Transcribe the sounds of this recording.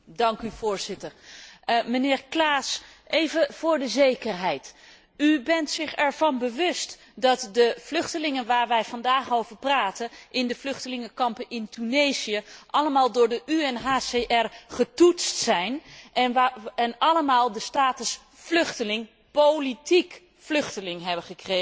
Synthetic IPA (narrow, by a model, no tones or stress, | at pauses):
dɑŋkyv̥ʊːɹz̥ɪtəɹ | mənɪːɹklaːs | ʔejvəv̥ʊːɹdəzejkəɹɦɛjt | ybɛntsɪχɛɹv̥ɑnbəʋɵst | dɑtdəv̥lɵχtəlɪŋənʋaːɹʋɛjvɑndaːχowvəɹpraːtənʔɪndəflʏχtəlɪŋəkɑmpənɪntynejziəʔɑləmaːlˠdʊːɹdəʔyɛnɦaːseʔɛrχətutstsɛjn | ɛnɑləmaːlˠdəstaːtəs | flɵχtəlɪŋ | powlitik | flɵχtəlɪŋɦɛbəχəkre